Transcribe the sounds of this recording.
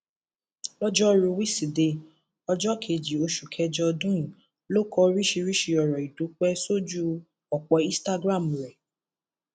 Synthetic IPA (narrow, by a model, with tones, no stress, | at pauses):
lɔ˦d͡ʒɔ˦ɾũ˧wi˦si˨de˧ | ɔ˧d͡ʒɔ˦kʰe˧˨d͡ʒi˨o˧ʃu˨kʰɛ˧d͡ʒɔ˧dũ˦˨ | lo˦kɔ˧˦ɾi˦ʃi˧ɾi˦ʃi˧ɔ˨ɾɔ˨i˨du˨˦k͡pɛ˦so˦d͡ʒu˦ | ɔ˨k͡pɔ˧ĩ˦sta˦ɡɾã˦˨m˨ɾɛ˨